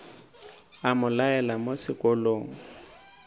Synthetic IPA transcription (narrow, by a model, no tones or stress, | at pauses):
amʊlaɛlamosɪkʼɔloːŋ̩